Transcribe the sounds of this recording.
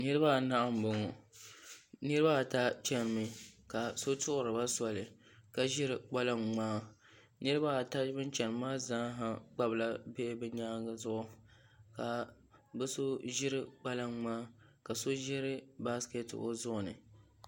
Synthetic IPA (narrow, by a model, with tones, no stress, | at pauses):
nɨ˦ɾɨ˦ba˦˨na˦ʔa˦m̩˨bɨ˨ŋɔ˨ | nɨ˦ɾɨ˦ba˦˨ta˦t͡ʃɛ˦n˨mɨ˨ka˨so˦tʊ˦ʔʊ˨ɾɨ˨ba˦sɔ˨lɨ˨ | ka˨ʒɪ˦ɾɨ˨k͡pa˦la˦ŋŋ͡maː˦ | nɨ˦ɾɨ˦ba˦˨ta˦bɨ˦nt͡ʃɛ˨n˨maː˦zaː˦ɦa˨k͡pa˦bla˦be˦ʔbɨ˦ɲaː˦ŋɡa˨zʊ˦ʔʊ˦ | ka˨ | bɨ˦so˦ʒɪ˦ɾɨ˦k͡pa˦la˦ŋ͡maː˦ka˨so˦ʒɪ˦ɾɨ˦ba˦ske˦to˦zʊ˦ʔʊ˨nɨ̰˨